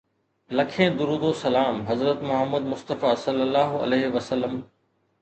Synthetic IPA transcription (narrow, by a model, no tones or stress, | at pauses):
lɐkʰẽːd̪ʊɾuːd̪oːsɐlaːmɦɐzɾət̪mʊɦəmːəd̪mʊst̪əfaːsɐlːəlːaːɦʊɐ̰leːɦɪʋɐsəlːəm